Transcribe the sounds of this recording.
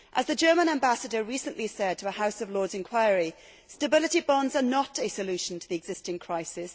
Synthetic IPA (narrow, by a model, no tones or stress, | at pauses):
ʔəzðəd͡ʒɜːmə̃ñãmbasədəɹiˑsə̃nʔlisɛd̚tʰəəhaʊsəvlɔːdzɪ̃nkʰw̥aɪɹi | stəbɪlɪtibɒ̃ndzənətəsəlʉˑʃə̃ntʰəðiɛɡz̥ɪstɪ̃ŋkʰɹ̥aɪsɪs